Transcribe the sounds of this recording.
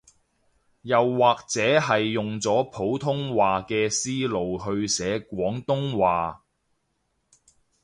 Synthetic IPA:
jɐ˨wːaː˨k̚t͡sɛː˨˥ɦɐ˨jːʊ˨ŋt͡sɔː˨˥pʰo˨˥wt̪ʰʊ˥ŋwaː˨kɛː˧siː˥lo˨wɦɵ˧ɥsɛː˨˧˥kʷɔː˨˥ŋt̪ʊ˥ŋwaː˨

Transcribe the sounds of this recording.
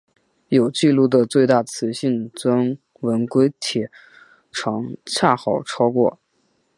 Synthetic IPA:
jo˨˩ʊt͡ɕi˥˧lu˥˩d̪ə˩t͡swe˥˧ɪt̪a˥˩t͡sʰɹ̩˧˥ɕi˥˩nt͡swa˥n | wə˧˥nkwe˥ɪt̪ʰjɛ˨˥ | ʈ͡ʂʰɑ˧˥ŋt͡ɕʰja˥˩xɑ˨˩ʊʈ͡ʂʰɑ˥ʊkwɔ̰˥˩

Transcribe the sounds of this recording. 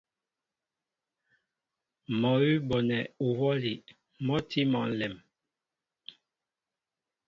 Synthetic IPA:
mɔ˨i˦bɔ˨nɛ˨u˨wɔ˦li˨ | mɔ˦tʰi˦mɔ˨n̩˨lɛ˨m

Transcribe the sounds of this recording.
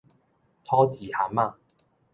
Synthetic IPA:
t̪ʰɔ˦t͡ɕi˨˩ha˨˦ma˥˧˨

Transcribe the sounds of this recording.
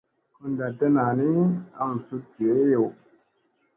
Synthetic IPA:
ku˦n˨da˨te˦na˨ni˦a̰˦˨m̩˨su˦te˨˦jo˨

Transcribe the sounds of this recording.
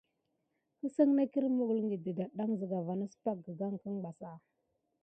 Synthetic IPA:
kə˦sə˦ŋna˦ki˦ɾmu˨ɡu˨lŋɡi˨də˨da˨ɗa˦ŋzə˨ɡa˨va˨na˦sə̥˦pa˦k̚ɡə˨ɡa˦ŋkə˦ŋba˨sa˦˨

